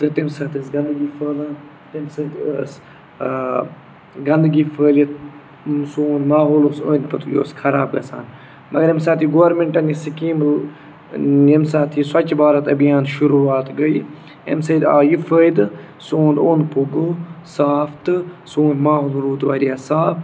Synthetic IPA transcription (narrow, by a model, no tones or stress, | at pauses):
t̪ɨt̪imsɐːt̪əsɡɐnd̪ɡiːfəːla | t̪imsɐt̪əs | ɡɐnd̪ɡiːfʰəːli | soːnmaːɦoːloso̰ːnʲpɐt̪ʰujo̰ːskʰɐɾa̰ːb̚ɡɐsa̰ːn | mɐɡɐɾemsaːt̪iɡoʋɾmeɳʈɐnisikiːm | emsaːt̪ʰiswɐt͡ʃbaːɾɐt̪ɐbijaːnʃuɾuːaːt̪ɡɐi | ḛmsɐd̪a̰ːjifəːjd̪ɨ | soːnd̪oːnpuɡoːsaːft̪ɨsoːnmaːɦoːlɾuːt̪ʋaːɾijaːsaːf